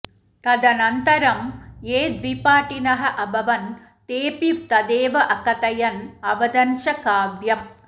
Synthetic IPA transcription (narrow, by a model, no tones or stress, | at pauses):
t̪ɐd̪ɐnɐnt̪ɐɾɐmeːd̪ʋipaːʈːinɐɦɐʔɐbɐʋɐn | t̪eːpiʋt̪ɐd̪eːʋɐʔɐkːɐt̪ɐjɐnɐʋɐd̪ɐnʃɐkaːʋjɐm